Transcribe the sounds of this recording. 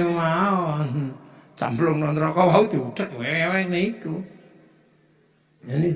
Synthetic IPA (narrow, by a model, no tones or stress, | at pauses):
maɔnt͡ʃa̰mblʊŋnɔnt̪ɾɔkɔwaud̪iuɖ̥a̤t̪̚wewewɛneiku | ani